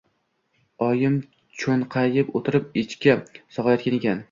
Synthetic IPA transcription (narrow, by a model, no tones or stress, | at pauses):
ɒjɪm | t͡ʃʰonqʰɑjɪpot̪ʰɪɾɪp̚ɪt͡ʃkʲasɒʁlˠajɒt̪̚kʲane̞kʲan